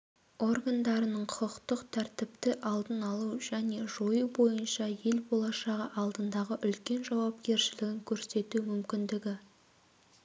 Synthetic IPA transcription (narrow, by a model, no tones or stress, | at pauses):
o̞rɡand̪ɑɾənəɴqʰʊqəqt̪əqt̪ʰæɾt̪ɪp̚t̪ɪʔɑlˠd̪ənɑlˠuʒæne̞ʒo̞jubo̞jənʃɑje̞lbo̞lˠɑʃɑʁəʔɑlˠd̪ənd̪ɑʁəʔʏlkʲe̞nʒɑwɑp̚kʲe̞ɾʃɪlɪɡʲɪŋkʲʰɵɾse̞t̪umʏmkʲɪnd̪ɪɡʲɪ